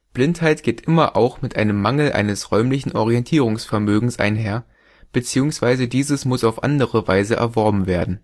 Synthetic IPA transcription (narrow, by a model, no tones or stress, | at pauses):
b̥lɪnthaɪtɡ̥eːtʔɪmɐʔa̰ʊxmɪtʔaɪnəmːaŋl̩ʔa̰ɪnəsʁ̥ɔʏmlɪçn̩ʔɔʁ̞iɛntʰiːʁ̞ʊŋsfɛɐmøːɡŋ̩sʔa̰ɪnɦeːɐ | b̥ət͡siːʊŋsv̥aɪzədiːzəsmʊsaʊfʔa̰ndəʁəvaɪzəʔɛ̰ɐvɔɐbm̩veːɐdn̩